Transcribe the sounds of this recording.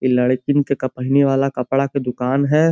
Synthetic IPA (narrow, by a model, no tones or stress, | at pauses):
ɪlɐɽkɪnkekɐpaːɦɪneʋaːlakɐpɽaked̪ʊkaːnɦɛː